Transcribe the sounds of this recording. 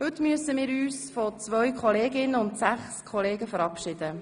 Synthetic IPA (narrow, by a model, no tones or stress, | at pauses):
hɵtmyəsəmɪːɾyːsfɔt͡sʋœɥkχɔleːɡɪnəʊntsæχskʰɔleːɡəfəɾɑpʃɪd̥̪ə